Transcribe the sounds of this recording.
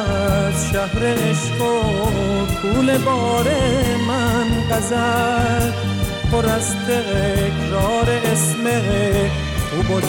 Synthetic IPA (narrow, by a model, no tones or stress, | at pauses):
ʃaɦɾeeʃqo | kʰuːlebɔːɾemanqazaɾ | pʰoɾast̪eɣekɾɔːɾeʔːsmeɣe | ubo